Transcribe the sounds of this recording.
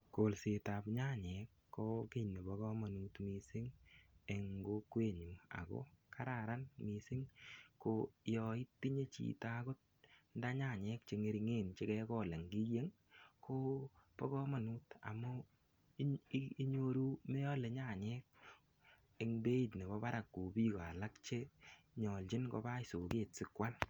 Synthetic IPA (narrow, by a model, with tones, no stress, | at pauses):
ko˨lsɪ˨ta˨pɲa˦˨ɲɛ˨kːo˦ke˦˨ne˨bɔ˨ɡɔ˦ma˨nu˦tmi˨sɪ˦ŋe˨ŋɡo˦kwe˦˨ɲu˨a̰˨kɔ̰˦kʰa˦ɾa˨ɾa˦nmi˨sɪ˦ŋko˨jɔ˨ɪ˦ttpi˦ɲe˦t͡ʃḭ˨ta˦ko˦t̚ | n˦da˦ɲa˦˨ɲɛ˨˦k̚t͡ʃe˨ŋe˨ɾi˨ŋe˦˨nt͡ʃɪ˦kɛ˦kɔ˦˨le˨ŋɡi˦e˦ŋ | kʰo˦pɔ˦kɔ˦ma˨nuː˦ta̰˨mu˦ | i˦ɲo˦ɾu˦me˦jɔ˦le˨ɲa˨ɲɛ˦k̚ | e˨ŋbe˦i˨tne˨βɔ˦ba˦ɾa˨kːo˨biː˦kɔ˨a˨la˦kt͡ʃe˦ | ɲɔ˨lt͡ʃi˦nkɔ̰˧ba˦i˨so˨keː˨t̚sɪ˦kwa˦n